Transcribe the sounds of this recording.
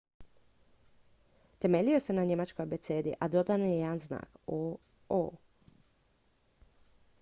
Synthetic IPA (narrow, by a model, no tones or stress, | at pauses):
t̪e̞me̞ʎio̞se̞naɲe̞mat͡ʃko̞jbe̞t̪se̞ːd̪iʔad̪o̞d̪anojejed̪anzna̰ːko | o̰